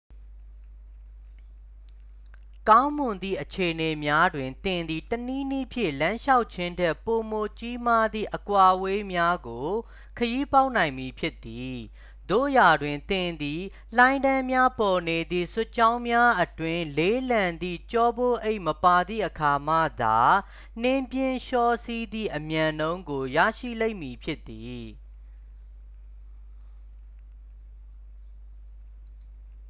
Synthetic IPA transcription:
kã˦ʊ̃mʊ̃˨nd̪ḭ˦˨ʔət͡ɕʰe˨ʔəne˨mja˦dwɪ̃˨nt̪ɪ̃˨nd̪ði˨təni˦ni˦pʰjɪ̰̃˦˨lã˦ʃa˦ʊʔt͡ɕʰɪ̃˦ndɛ˦˨pːo˨mo˨t͡ɕi˦ma˦d̪ðḭ˦˨ʔəkwa˨ʔwe˦mja˦ɡo˨ | kʰəji˦pa˦ʊʔnã˨ɪ̃mi˨pʰjɪ˦t̪ːi˨ | d̪̥o̰˦˨ja˨dwɪ̃˨nt̪ɪ̃˨nd̪i˨ | l̥ã˨ɪ̃ndã˦mja˦pɔ˨ne˨d̪ðḭ˦˨sʊ˦ʔt͡ɕã˦ʊ̃mja˦ʔətwɪ̃˦le˦lã˨nd̪ḭ˦˨t͡ɕɔ˦bo˦˨ʔe˦ɪʔməpa˨d̪ðḭ˦˨ʔəkʰa˨m̥a̰˦˨d̪a˨ | n̥ɪ̃˦mpjɪ̃˦˨nʃɔ˦˨si˦d̪ḭ˦˨ʔəmjã˨nõ˦ʊ̃ŋɡo˨ja̰˦˨ʃḭ˦˨lẽ˦ɪ̃ʔmi˨pʰjɪ˦t̪ːi˨

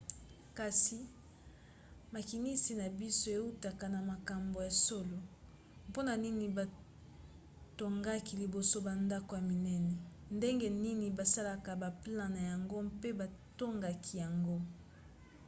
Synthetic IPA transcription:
ka˨si˨ | ma˨ki˨ni˦si˨na˨bi˦so˦e˨u˦ta˨ka˨na˨ma˨ka˨mbo˨ja˨so˦lo˨ | po˦na˨ni˦ni˨ba˨ | to˨ŋɡa˦ki˨li˨bo˨so˦ba˨nda˦ko˨ja˨mi˨nɛ˦nɛ˨nde˦ŋɡe˦ni˦ni˨ba˨sa˦la˨ka˨ba˨pla˦na˨ja˨ŋɡo˦mpe˦ba˨to˦ŋɡa˨kʰi˨ja˨ŋɡo˦

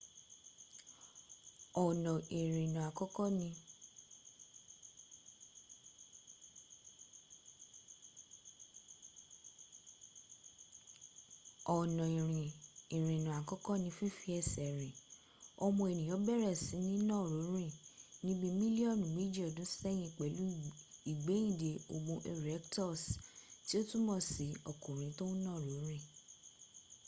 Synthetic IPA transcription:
ɔ˨nɔ̃˨ʔe˨ɾ̃ĩ˨nũ˨a˨kɔ˦kɔ˦nĩ˧ | ɔ˨nɔ̃˨i˨ɾ̃ĩ˨ĩ˨ɾ̃ĩ˨nũ˨a˨kɔ˦kɔ˦nĩ˧fi˦fi˦ɛ˦˨sɛ˨ɾĩ˨ | ɔ˧mɔ̃˧e˨nĩ˨j̃ɔ̃˨˦bɛ˦˨ɾɛ˦˨si˨˦nĩ˦nɔ̃˦˨ɾo˨˦ɾ̃ĩ˦˨nĩ˦bi˦mĩ˦li˦ɔ˦˨nũ˨mi˦d͡ʒi˦ɔ˨dũ˨˦sɛ˦j̃ĩ˧˦˨k͡pɛ˨˦lu˦i˨ɡ͡bẽ˨˦ĩ˦˨de˨o˧˨ɡ͡bũ˧ʔe˧ɾɛ˨˦ktɔ˦˨sti˦o˦tu˦mɔ̃˦˨si˨ɔ˨kũ˨ɾ̃ĩ˧tõ˦nɔ̃˦˨ɾo˨˦ɾ̃ĩ˦˨

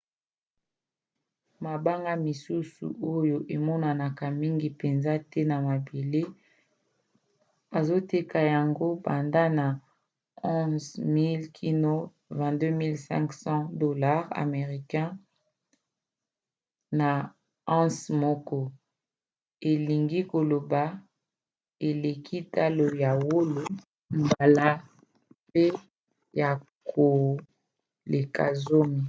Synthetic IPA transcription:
ma˨ba˦ŋɡa˦mi˨su˦sṵ˨ʔo˦jo˨ʔe˨mɔ˦na˨na˨ka˨mi˦ŋɡi˨pe˨nza˦tɛ˦na˨ma˨be˨le˦ | ba˨zo˦te˦ka˨ja˨ŋɡo˦ba˨nda˦na˨ | ɔ̃˦zmi˦lkʰi˦no˦ | vɛ̃˨dø˦mi˦lsɛ̰̃˦ksɑ̃˦do˨la˦ʁa̰˨me˨ʁi˨kɛ̃˦ | na˨ | ɑ̃˦smɔ˦kɔ˦ | e˨li˨ŋɡi˦ko˨lo˨ba˨ | e˨le˨kʰi˦ta˦lo˨ja˨wo˦lo˨ | mba˨la˦ | pe˦ | ja˨ | kʰo˨ | le˨ka̰˨zo˦mi˨

